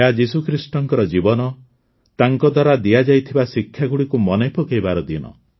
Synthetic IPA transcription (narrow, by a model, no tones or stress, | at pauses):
ad͡ʒisukʰɾisʈɔŋkɔɾɔd͡ʒibɔnɔ | t̪aŋkɔd̪waɾad̪iad͡ʒajt̪ʰibasikʰːjaɡuɽikumɔnejpɔkejbaɾɔd̪inɔ̰